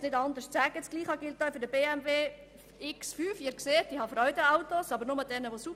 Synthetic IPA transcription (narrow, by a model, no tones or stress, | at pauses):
nɪdɑnd̪əɾʃt͡sæːɡəɛt͡sɡ̥liːχɑɡɪltːafʏɾdəbeːɛmveː | ɪksfyːfɪːɾkseːt̚d̥iːhɑfɾœʏdəaʊtosɑbəɾnʊməd̥ɛnəʋosup